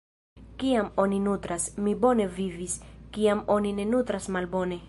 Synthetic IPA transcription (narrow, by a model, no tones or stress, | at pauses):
kiamo̞ninutɾasmibo̞ne̞viviskiamo̞nine̞nut̪ɾasmalbo̞ne̞